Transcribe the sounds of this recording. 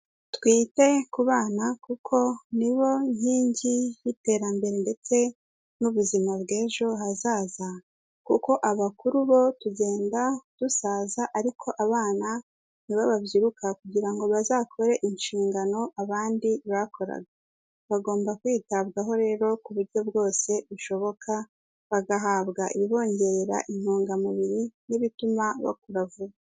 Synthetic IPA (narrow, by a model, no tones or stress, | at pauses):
twiːte̞kuβaːnakukʰo̞niβo̞ɲ̥hiːɲɟijite̞ɾambe̞ɾende̞t͡se̞ | nuβuzimabɡe̞ːʒo̞ɦazaːza | kuko̞ʔaβakuɾuβo̞tuɟe̞ːndad̥usaːzaʔaɾikʰo̞ʔaβaːna | niβaβaβjiɾukakuɟiɾaŋɡo̞βazaːkʰo̞ɾe̞ʔinʃiːŋɡano̞ʔaβaːndiβakʰo̞ɾa̰ɡa | βaɡo̞ːmbakwiːtaβɡaɦo̞ɾe̞ːɾo̞kuβuɾɟo̞bɡo̞ːse̞βuʃo̞βo̞kʰa | βaɡaɦaːβɡaʔiβiβo̞ːɲɟe̞ɾɾa̰ʔim̥hoːŋɡamuβiɾiniβitumaβa̰k̚uɾavua